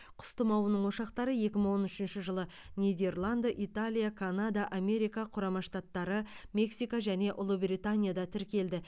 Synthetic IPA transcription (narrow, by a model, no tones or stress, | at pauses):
qʰʊ̥st̪əmɑwənəɴwo̞ʃɑqt̪ɑɾəje̞kʲɪməɴwo̞nʏʃɪnʃɪʒəlˠə | nʲid̪e̞rlˠand̪ʔijt̪alʲijakʰanad̪aʔame̞ɾijkaqʰʊɾɑmɑʃt̪at̪ːɑɾəme̞ksijkaʒæne̞ʔʊlˠubrit̪anʲijad̪ɑt̪ʰɪɾkʲe̞ld̪ɪ